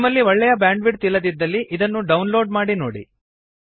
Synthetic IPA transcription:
mɐlːiʋɔɭːɛjɐbjaːɳɖʋiɖ̚t̪ilːɐd̪id̪ːɐlːiʔid̪ɐnːuɖɐwnlo̞ːɖmaːɽino̰ːɽḭ

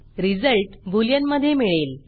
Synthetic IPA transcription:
ɾid͡zəlʈbʱuljənməd̪ʱːjemiɭel

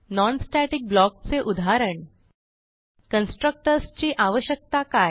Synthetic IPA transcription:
nɔnsʈæʈik̚blɔk̚t͡seʔud̪ʱaɾəɳ | kənsʈɾək̚ʈəɾst͡ɕiːʔaʋəɕjək̚t̪akaj

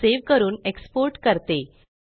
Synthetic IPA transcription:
eʋkəɾuːnekspoɾʈkəɾt̪e

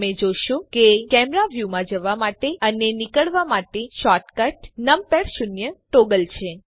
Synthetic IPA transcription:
mẽd͡ʒoʃũkekɛmɾaʋjumãd͡ʒəʋamaʈeənenikəɭʋamaʈeʃɔʈkəʈnəmpeɽʃunjəʈoɡəlt͡ʃʰe

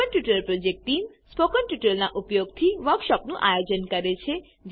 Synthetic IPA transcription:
ənʈjuʈəlpɾod͡ʒek̚ʈʈim | spokənʈjuʈəlnaʔupjoɡt̪ʰiʋəɾkʃɔpnũʔa̰jod͡ʒənkəɾet͡ʃʰe | d͡ʒ

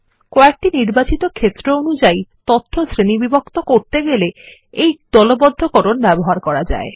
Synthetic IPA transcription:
kɔek̚ʈiniɾbat͡ɕit̪okʰet̪ːɾeonud͡ʑajt̪ot̪ʰːosɾenibibokt̪okoɾt̪eɡele | ejd̪̥ɔlobɔd̪ʱːokoɾonbɛboɦaɾkɔɾad͡ʑa̰e

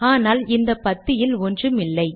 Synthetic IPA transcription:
aːnaːlɪnd̪ɐpːɐt̪ːɪjɪlɔndrɯmɪlːɐɪ

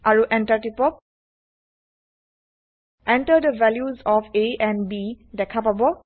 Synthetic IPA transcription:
ʔaɹuʔɛ̃nʈəʈipɔp̚ | ʔɛ̃nʈədəʋɛljuzɔfeɛ̃nbi | dɛkʰapabɔ

